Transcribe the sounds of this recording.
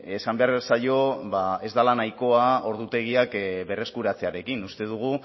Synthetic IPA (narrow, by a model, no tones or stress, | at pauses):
e̞sambe̞aɾβsajo̞βae̞zd̪alanajko̞ao̞ɾðut̪e̞ɣ̞iakbe̞re̞skuɾat͡se̞aɾe̞kinust̪e̞ðuɣ̞u